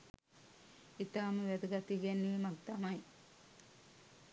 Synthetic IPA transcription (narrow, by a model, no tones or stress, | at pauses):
it̪aːmɐʋed̪ɐɡɐt̪iɡenːiːmɐɡt̪ɐmɐj